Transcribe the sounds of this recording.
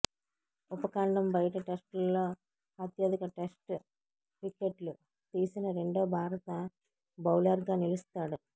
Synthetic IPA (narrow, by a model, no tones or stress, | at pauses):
upɐkaːɳɖɐmbɐjɐʈɐʈesʈlːoː | ɐt̪jaːd̪ikɐʈesʈ | pikːeʈlu | t̪iːsinɐɾe̞ɳɖoːbʱaːɾɐt̪ɐ | bɐwlɐɾɡaːnilust̪aːɽu